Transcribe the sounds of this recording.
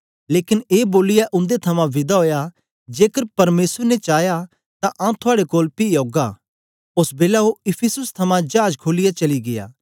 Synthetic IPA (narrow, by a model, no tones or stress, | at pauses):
leːkɪneːboːlɪjaʔʊ̃nd̪et̪ʰɐmãʋɪd̪aɦoːja | d͡ʒeːkəɾpɐɾmeːsəɾnet͡ʃaːja | t̪aʔãt̪ʰʊaːɽekoːlpioːɡa | ʊsbeːlaɦoɪpʰɪsʊst̪ʰɐmãd͡ʒaːd͡ʒkʰoːlɪjat͡ʃɐliɡɪ̰ja̰ː